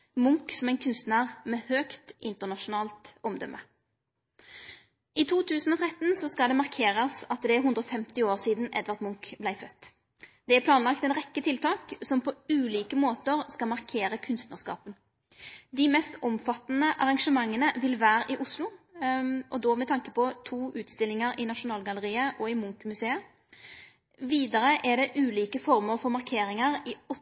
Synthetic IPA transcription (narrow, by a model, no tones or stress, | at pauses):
mʊŋksɔmæɪnkʰʉnst̪næʁmɛhøːkt̪ʔɪnt̪əʁnɑʃʊnɑːlt̪ɔmd̪œ̰mʔə̰ | ʔɪt̪ʰuːt̪ʰʉːsn̩ɔːt̪ʰʁɛt̪nsɔskɑld̪ɛmɑʁkʰeːʁəsɑt̪d̪ɛæɦʉnd̪ɾɔfɛmt̪ɪoːʁsiːd̪n̩ɛ̰d̪ʋɑʁt̪mʊŋkblæɪfœt̪ː | d̪̥ɛæpʰlɑːnlɑkt̪ɛnʁɛkːət̪ʰɪlt̪ʰɑːksɔmpʰɔʉːliːkəmoːt̪əʁskɑlmɑʁkʰeːɾəkʰʉnst̪nəʁskɑ̰ːpən | d̪ɪmɛst̪ɔmfɑt̪ːnəʔɑʁɑŋʂəmɑŋːənəʋɪlʋæːɾəʔɪʔʊslʊ | ʔɔd̪ɔmɛt̪ʰɑŋkəpɔt̪ʰuːʔʉːt̪st̪ɪlːɪŋəɾɪnɑʂʊnɑːlɡɑləʁiːəʔɔɪmʊŋkmʉseːə | ʋiːd̪əɾəʔæd̪ɛʔʉːliːkəfɔʁməɾfɔɾmɑʁkʰeːɾɪŋəʁɪɔ